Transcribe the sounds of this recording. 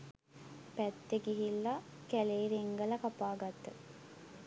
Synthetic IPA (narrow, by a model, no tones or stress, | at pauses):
pæt̪ːeɡiɦilːa | kæleːɾeŋɡɐlɐkapaːɡat̪ːə